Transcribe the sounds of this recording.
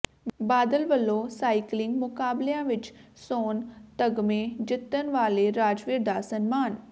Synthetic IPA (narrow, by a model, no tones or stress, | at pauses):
baːd̪əlʋəlːõːsaːiklɪŋɡmʊkaːbleãːʋɪt͡ʃsoːnt̪əɡmẽːd͡ʒɪt̪ːənʋaːleːɾaːd͡ʒʋɪɾd̪aːsənmaːn